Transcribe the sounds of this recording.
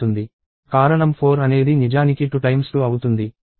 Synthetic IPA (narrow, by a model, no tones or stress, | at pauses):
und̪i | kaːɾɐɳɐmpʰoːɾɐne̞ːd̪inid͡ʒaːnikiʈuʈɐjmst̪uːɐwut̪und̪i